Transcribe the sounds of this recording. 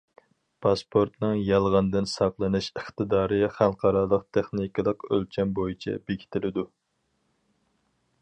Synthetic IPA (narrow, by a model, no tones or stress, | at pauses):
pʰɑspʰoɾt̪nɨŋjɑlˠʁɑnd̪ɨnsɑqlˠɨnɨʃəχt̪ɨd̪ɑːɾɨχælˠqʰɑɾɑlˠəq̚t̪ʰeχniklˠəqø̰lt͡ʃʰɛnbojit͡ʃʰɛ̰bekʲʰi̥t̪ʰɪlɪd̪u